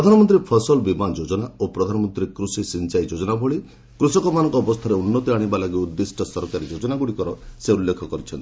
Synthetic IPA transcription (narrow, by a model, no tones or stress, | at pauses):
ɾɔd̪ʱanɔmɔnt̪ɾipʰɔsɔlbimand͡ʒod͡ʒɔnaopɾɔd̪ʱanɔmɔnt̪ɾikɾusisint͡ʃajd͡ʒod͡ʒɔnabʱoɭi | kɾusɔkɔmanɔ̃ŋkɔːbɔst̪ʰaɾeunːɔt̪iaɽ̃ibalaɡiud̪ːisʈʰɔsɔɾkaɾid͡ʒod͡ʒɔnaɡuɽikɔɾɔseulːekʰɔkɔɾit͡ʃʰɔnt̪i